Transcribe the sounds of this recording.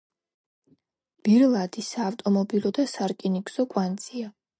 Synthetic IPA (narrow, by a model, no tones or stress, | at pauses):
b̥iɾlˠad̪isaːft̪ʼɔmɔbilɔd̪asaɾkʼinikʰʼz̥ɔkʼwant̪sʼia